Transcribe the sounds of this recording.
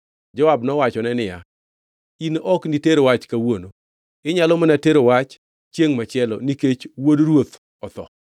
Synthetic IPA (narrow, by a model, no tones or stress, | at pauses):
d͡ʒɔwabnɔwat͡ʃɔnɛnɪja̰ | inɔkniteɾowat͡ʃkawono | ɪɲalɔmanateɾowat͡ʃ | t͡ʃːjeŋmat͡ʃɪɛlɔ̰niket͡ʃwodɾwot̪ | ɔt̪ɔ̰